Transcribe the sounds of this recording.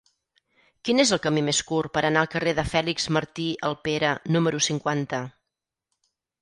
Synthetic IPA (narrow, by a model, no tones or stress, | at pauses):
kinezəlˠkəmimeskurpəɾənaəlˠkəreðəfɛlikz̥məɾt̪iəlˠpeɾənuməɾusiŋkwant̪ə